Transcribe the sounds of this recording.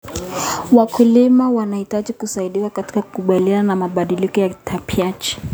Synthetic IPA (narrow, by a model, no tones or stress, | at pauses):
wakulimawanahitaʄikusaiɗiwakati̥kaku̥kuɓaliananamaɓaɗilikɔjatʰapiat͡ʃ